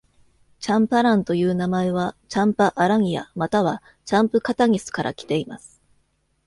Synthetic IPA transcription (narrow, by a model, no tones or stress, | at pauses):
t͡ɕãmpaɾãnt̪o̞jɯ̟ːnamae̞β̞at͡ɕãmpaʔaɾaŋ̟ʲija̰mat̪aβ̞a | t͡ɕãmpɯ̟kat̪aŋ̟ʲisɨ̥kaɾʔa̰kʲi̥t̪e̞imasɨ̥